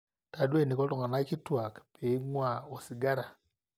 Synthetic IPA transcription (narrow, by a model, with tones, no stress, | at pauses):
ta˨dwe˦˨ni˨kɔ˦tɔ˦˨ŋa˨na˦ki˦twa˨kpʰe˨i˦ŋwa˨o˨si˨ɡa˦ɾa˨